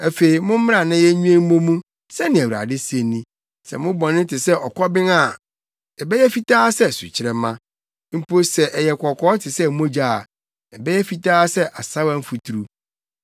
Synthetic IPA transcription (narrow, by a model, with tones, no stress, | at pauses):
æ˨fe˨i˨mʊ̃˦m̩˦mɪ̃˦ã˨nã˦jɛ˦ɲũ˦ɛ̃˦m̩˦mõ˦mũ˦ | sɛ˦nɪ̃˨æ˨wu˨ɾa̰˨dɪ˦se˨˦nːĩ˦ | sɛ̰˨mʊ̃˦bɔ̃˨nɪ̃˦tʰɪ˨sɛ˦ʔɔ˨kʰɔ˦bɪ̃˦ŋa˨ | ɛ˨bɛ˦jɛ˦fi˦tʰaː˦sɛ˦˨sṵ˨t͡ɕʰɪ˨ɾɛ˨mã˦ | m̩˦po˦sɛ˨ʔɛ˨jɛ˨kʰʷɔ˨kʰɔː˦tʰɪ˨sɛ˦˨m˦õ˦d͡ʑa˦˨ | ɛ˨bɛ˦jɛ˦fi˨tʰaː˦sɛ˦ʔa˨sa˦wã˦m̩˦fu˨tʰu˨ɾu˦